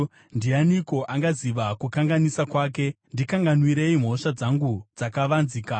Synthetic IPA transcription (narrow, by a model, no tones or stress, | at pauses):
ndianiko̞ʔaŋɡaziʋakukaŋɡanisakwaːk̬e̞ | ndikaŋɡanwiɾe̞im̤o̞ʂad͡zaŋɡud͡zakaʋanziːka